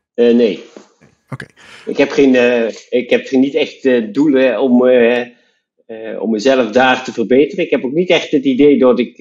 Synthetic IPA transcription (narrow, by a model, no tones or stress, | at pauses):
ənej | ɪ̰kɦɛpχenɪkɦɛpχnitɛχtəduləɔm | ɔ̰mːəzɛləfdaːχtəvərbeːtərəɪkɦɛpoknitɛχtətidejdɔtɪk